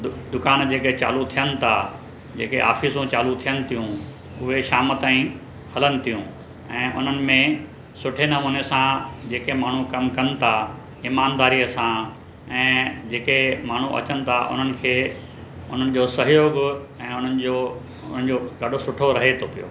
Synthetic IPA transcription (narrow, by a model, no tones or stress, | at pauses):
d̪ʊkaːnd͡ʑeːket͡ɕa̰ːlut̪ʰijənɪ̆t̪ʰa | d͡ʑḛːkeʔa̰ːfisũt͡ɕaːlut̪ʰijənɪ̆t̪ʰijũ | ʊɦeʃaːmət̪aːĩ | hɐlənɪ̆t̪ʰijũ | ɛ̃ːʔʊ̰n̤ənɪ̆mẽ | sʊʈʰenɐmoːnesãd͡ʑeːkemaːɳ̤ũkɐmkɐnɪ̆t̪ʰa | iːmaːnd̪aːɾijəsã | ɛ̃ːd͡ʑeːkemaːɳ̤ũʔɐ̰t͡ɕənɪ̆t̪ʰaʔʊ̰n̤ənɪ̆kʰeː | ʊn̤ənɪ̆d͡ʑoːsɐɦɪjoːɡ | ɛ̃ːʊn̤ənɪ̆d͡ʑoː | ʊn̤ənɪ̆d͡ʑoːɡɐɖʱosʊʈʰoɾɐɦet̪ʰopijo̰ː